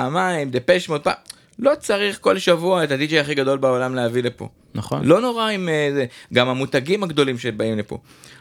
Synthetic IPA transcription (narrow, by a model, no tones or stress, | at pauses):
aːmaimd̪epeʃmelt̪̚pa̰ | lo̞t͡saʁiχko̞lʃavuaetad̪id͡ʒejaχiɡad̪o̞lbaolamlehavilepo̰ | naχo̰nlo̞no̞ʁaimezeɡamhamut̪aɡimaɡd̪o̞limʃebaimlepo̞̰